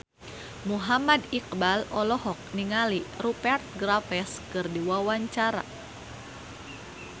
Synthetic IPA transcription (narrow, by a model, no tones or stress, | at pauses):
muɦamadik̚balɔlɔɦɔk̚niŋalirupɛrt̪̚ɡɾafɛskɨrdiwawaɲt͡ʃaɾa̰